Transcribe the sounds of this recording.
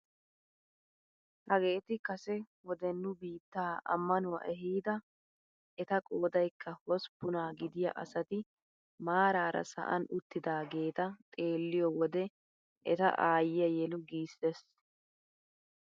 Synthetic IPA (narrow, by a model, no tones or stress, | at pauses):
hɐɡe̞ːt̪ɪkɐsɛ | wɔd̪ɛnːʊbiːt̪ːaːɐ̰mːɐnʊwɐ̰ʔɛɦiːd̪ɐ | ɛt̪ɐkʼoːd̪ɐjkːɐhɔspːʊnaːɡɪd̪ɪjɐ̰ʔɐsɐt̪ɪ | maːɾaːɾɐ̰sɐ̰ʔɐ̰nʊt̪ːɪd̪aːɡe̞ːt̪ɐt̪ʼe̞ːlːɪjɔwɔd̪ɛ | ʔɛt̪ɐ̰ʔaːjɪjɐjɛlʊɡiːsɛs